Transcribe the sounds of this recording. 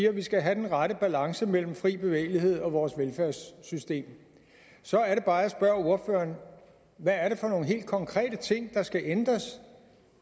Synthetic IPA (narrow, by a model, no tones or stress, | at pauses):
iːɐʋisɡ̥æɦæd̥enʁɑɾəb̥ælɑ̈ŋsəmel̰m̩fʁḭːb̥e̝ʋḛːɪliɦe̝ð̞̰ˠɒ̽ʋɒːsʋelfæɐsːysd̥e̝̰ːm | sɒ̽æɐɾe̝b̥ɑ̈ːæsb̥ɶɐo̝ɐfø̰ːɐn | ʋææɐɾe̝fɒ̽no̝ːn̩ɦe̝̰ːld̥̚kʰɒ̽ŋkʰʁɛ̰ːd̥ət͡sʰe̝ŋ̰d̥ɑ̈sɡ̥æʔend̥ʁɐs